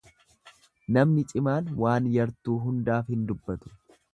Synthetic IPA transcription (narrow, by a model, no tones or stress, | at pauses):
nɐmnɪt͡ʃʼɪmaːnwʔaːnjɐɾt̪uːɦʊnd̪aːfhɪnd̪ʊbːɐt̪ʊ̥